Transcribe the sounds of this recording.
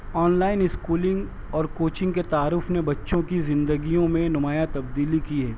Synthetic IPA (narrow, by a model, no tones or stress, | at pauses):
ɔːnlaːɪnɪskuːlɪ̃ŋɡ | ɔːɾkoːt͡ʃɪ̃ŋɡket̪aːɾʊːfnebɐtːʃõkizɪ̃nd̪əɡijõmẽnʊmaːjat̪ɐbd̪iːlikiɦɛː